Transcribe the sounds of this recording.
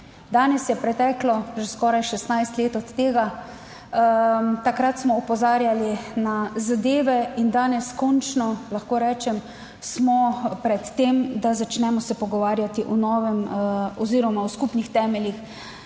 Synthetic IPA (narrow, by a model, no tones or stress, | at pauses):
d̪aːnɛsjɛpɾɛt̪ɛːklɔʒɛskɔːɾajʃɛst̪najst̪leːt̪ɔt̪ːeːɡa | t̪akɾat̪smɔɔpɔzaːɾjalinazad̪eːʋɛind̪aːnɛskɔnt͡ʃnɔlaxkoːɾɛːt͡ʃɛm | smɔpɾɛt̪ːeːmd̪azat͡ʃnɛmɔsɛpɔɡɔʋaːɾjat̪iʔunɔːʋɛmɔziːɾɔmawskupnixt̪ɛːmɛljix